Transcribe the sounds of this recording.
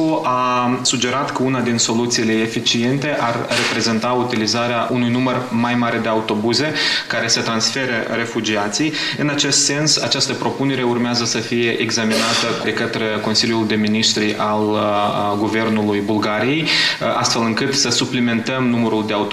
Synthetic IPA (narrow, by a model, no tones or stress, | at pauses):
oʔasud͡ʒe̞ɾat̪kəunad̪inso̞lut̪siːle̞efit͡ʃie̞nt̪e̞ʔarːe̞pɾe̞ze̞nt̪aut̪ilizaɾeaʔunujnumərmajmaɾe̞d̪e̞aut̪o̞buze̞kaɾe̞sət̪ɾansfe̞ɾəɾe̞fud͡ʒiat̪sij | ɨnat͡ʃe̞st̪se̞nsat͡ʃast̪əpɾo̞pune̞ɾe̞urmeazəsəfije̞ʔeɡzaminat̪əd̪e̞kət̪ɾe̞ko̞nsilʲjuld̪e̞miniʃt̪ɾiʔal | ɡuve̞rnulujbulɡaɾije̞ja̰st̪fe̞lɨŋkɨt̪səsuplime̞nt̪əmnuməɾuld̪e̞aut̪